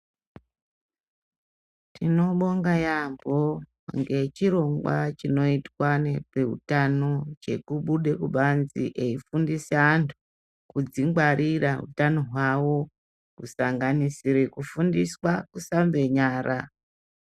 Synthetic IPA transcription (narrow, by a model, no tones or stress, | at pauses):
tʰino̞ɓo̞ŋɡajambo | ŋɡe̞t͡ʃiɾo̞ŋɡwat͡ʃino̞itwanepe̞ṵtano̞t͡ʃe̞̰kuɓuɗe̞kuɓanzḭʔe̞ifundisaantʰu̥ | kud͡ziŋɡwaɾʔiraɦṵtano̞ɦwawo̞ | kusaŋɡanisiɾekufundiswakusambe̞ɲaːɾʔa